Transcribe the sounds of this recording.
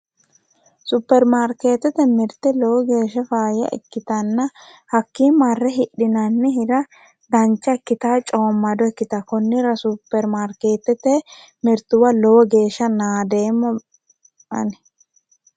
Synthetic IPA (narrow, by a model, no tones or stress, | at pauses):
supːɛɾmaɾke̞ːt̪ːɛt̪ɛmɪɾt̪ɛlowɔɡe̞ːʃɐfaːjɐ̰ʔɪ̰kːɪt̪ɐnːɐhɐkːiːmɐrːɛɦɪɗːɪnɐnːɪɦɪɾɐ | d̪ɐnt͡ʃːɐɪkːɪt̪aːt͡ʃʼoːmːɐd̪ɔɛkːɪt̪ɐkʊnːɪɾɐsupːɛɾmaɾke̞ːt̪ːɛt̪ɛ | mɪɾt̪ʊwɐlɔwɔɡe̞ːʃːɐnaːd̪e̞ːmːɐ | ʔɐ̰nɛ̥